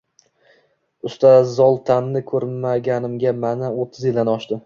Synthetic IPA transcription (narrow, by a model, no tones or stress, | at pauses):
ʊst̪ʰazɒlˠt̪ʰanːɪkʰɵɾmaɡʲanɪmɡʲamanaot̪ʰːɪzjɪld̪anɒʃd̪ɪ